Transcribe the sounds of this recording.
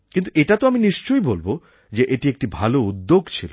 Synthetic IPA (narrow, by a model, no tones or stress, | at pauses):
kint̪ueʈat̪oaminiʃt͡ɕojbolbo | d͡ʑeʔeʈiek̚ʈibʱaloud̪ːoɡt͡ɕʰilo